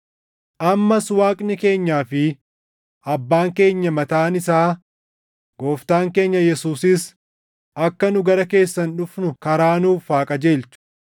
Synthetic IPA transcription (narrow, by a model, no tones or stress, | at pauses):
ʔɐmːɐswaːkʼnɪke̞ːɲːaːfɪ | ɐbːaːŋke̞ːɲːɐmɐt̪aːnɪsaː | ɡ̥o̞ːft̪aːŋke̞ːɲːɐjɛsuːsɪs | ɐkːɐnʊɡɐɾɐke̞ːsːɐnᶑʊfnʊkɐɾaːnuːfːaːkʼɐd͡ʒe̞ːlt͡ʃʊ̥